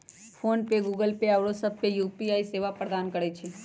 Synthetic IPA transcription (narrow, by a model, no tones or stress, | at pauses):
fʰoːnpeɡuːɡəlpeɐʋɽosɐb̚pejuːpiaːiseːʋapɾəd̪aːnkəɽet͡ʃʰe